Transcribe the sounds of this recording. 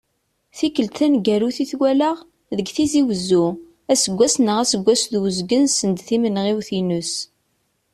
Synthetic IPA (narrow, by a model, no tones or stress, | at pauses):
θikːəlt̪ænɡæɾuθiθwæləʁ | ðəɡθiziwəzːu | æsəɡʷːæsnəʁæsəɡʷːæsðwəzɡənsənd̪θimənʁiwθinus